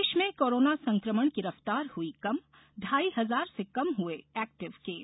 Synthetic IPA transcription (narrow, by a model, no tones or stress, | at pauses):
ʃmẽkoːɾoːnasɐ̃ŋkɾəməɽ̃ɡɪɾəft̪aːɾhuikɐm | ɖʱaːiɦɐzaːɾsekɐmɦueɛːk̚ʈɪʋkeː